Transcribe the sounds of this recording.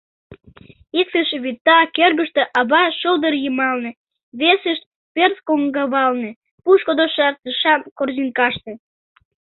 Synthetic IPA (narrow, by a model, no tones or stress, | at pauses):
iksəʃβit̪ːɑkørɣəʃt̪eʔɑβɑʃəld̪ərjəmɑlnĕ | βesəʃ | perskoŋɡɑβɑlnĕ | puʃkod̪oʃɑrt̪əʃɑmkorzinkɑʃt̪ĕ